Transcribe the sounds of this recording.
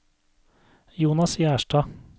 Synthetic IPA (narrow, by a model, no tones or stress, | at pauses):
juːnɑsjæːʃʈɑː